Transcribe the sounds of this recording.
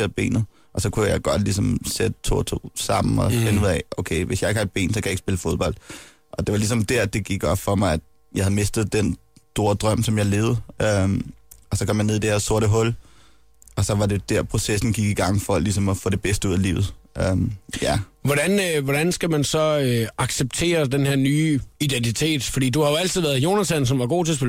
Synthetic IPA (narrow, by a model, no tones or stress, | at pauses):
eɐb̥e̝̰ːnð̩ˠ | ʔɒ̽sɒ̽kʰujɑ̈ɪɡ̥ɒ̽d̥lisɒ̽msed̥ət͡sʰo̝ːɐt͡sʰo̝̰ːsɑ̈m̰n̩ɒfe̝nuð̰ˠɛʔoʊkʰeɪʋe̝sjɑ̈ɪeɡ̥hɑ̈ed̚b̥e̝̰ːnsɒkʰæjɑeɡ̥sbe̝ləfo̝ð̞ˠb̥ɒ̽l̰d̥̚ | ʔɒ̽d̥e̝ʋɑ̈lisɒ̽md̥æɐd̥e̝ɡ̥iɡ̥ɒ̽b̥fɒ̽mɑ̈ɪæd̥ | jɑɪhæð̩ˠme̝sd̥ð̩ˠd̥en | d̥o̝ɐd̥ʁɶm̰sɒ̽mjɑ̈ɪle̝ːð̩ˠø | ɒ̽sɒkʰɒ̽mjæne̝̰id̥e̝hæɐso̝ɐ̰ɾəɦɔ̽l | ɒ̽sɒ̽ʋɑ̈de̝d̥æɐ̰pʰʁo̝sesn̩ɡ̥iɡ̥iɡ̥ɑ̈ŋ̰fɒ̽lisɒ̽mɒfɔ̰̽ːd̥e̝b̥esd̥əuð̰ˠælḭːʊð̩ˠʔøjæʋɒɾænʋɒd̥ænsɡ̥æmænsɒ̽øɑ̈ɡ̥seb̥̚t͡sʰe̝̰ːɐd̥enheɐnyːid̥ent͡sʰit͡sʰe̝̰ːd̥fɒ̽dḭːd̥uhɑ̈joæl̰t͡siðˠʋæɐð̩ˠjo̝ːnæsæns̬ɒ̽mʋɑ̈ɡ̥o̝̰ːt͡sʰe̝ɐs̬b̥pe